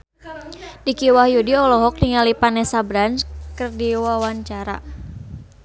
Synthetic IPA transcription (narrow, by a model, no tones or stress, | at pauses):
dikiwahjudiɔlɔɦɔk̚diŋalipanɛsabɾanskərdiwawaɲt͡ʃaɾa̰